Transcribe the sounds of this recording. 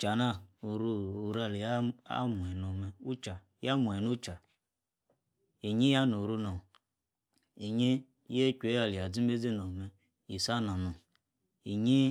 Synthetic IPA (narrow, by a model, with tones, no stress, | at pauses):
t͡ʃa˨na˦u˨ɾu˦u˨ɾa˨li˨ja˦a̰˦mu˨e˨no˨me˨u˦t͡ʃa˨ | ja˦mu˨e˨nu˦t͡ʃa˨ | i˨ɲi˦ja˦no˨ɾu˦no˨ | i˨ɲe˦ | je˦kʲʷe˨˦a˨li˨a˨d͡zi˦m˦be˦d͡ze˦no˨me˦ | i˨sa˦na˨no˨ | i˨ɲi˦